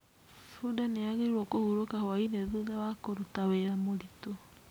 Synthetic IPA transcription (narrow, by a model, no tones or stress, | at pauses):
sudaneaɣeiɾwɔkohuɾokahwaineðuðawakoɾutaweɾamoɾito